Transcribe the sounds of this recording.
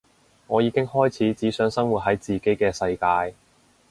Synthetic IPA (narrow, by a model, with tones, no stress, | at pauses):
ŋɔː˨˧jiː˨˧kɪ˥ŋhɔː˥jt͡sʰiː˨˥t͡siː˨˥sœː˨˥ŋsɐ˥ŋwuː˨t̚ɦɐ˨˥jt͡siː˨ke˨˥jkɛː˧sɐ˧jkaː˧j